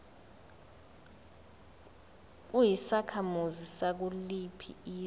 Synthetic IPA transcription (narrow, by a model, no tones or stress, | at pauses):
k̬ujisakʰamuzisak̬ulipʰḭiː